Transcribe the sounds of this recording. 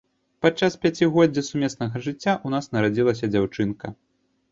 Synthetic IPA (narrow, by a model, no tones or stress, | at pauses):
pat͡ʂːaspʲat͡sʲiɣɔdd͡zʲːɐsumʲɛsnɐɣɐʐɨt͡sʲːaʔunasnɐɾad͡zʲilˠɐsʲɐd͡zʲawt͡ʂɨnkɐ